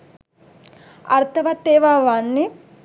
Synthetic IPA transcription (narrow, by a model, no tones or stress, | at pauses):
ɐɾt̪ʰɐʋat̪ːeːʋaːʋaːnːi